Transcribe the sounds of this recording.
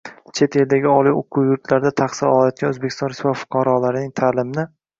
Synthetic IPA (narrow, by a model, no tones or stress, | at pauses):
t͡ʃʰe̞t̪ʰe̞ld̪aɡʲɪɒlˠijoqʰuwjʊɾt̪laɾd̪at̪ʰaχsɪɾɒlˠajɒt̪̚ɡʲanɵzbekʲɪ̥st̪ɒnɾɪsvɒvfʊ̥qʰɑɾɒlaɾɪnɪŋt̪ʰaːlɪmɪnɪ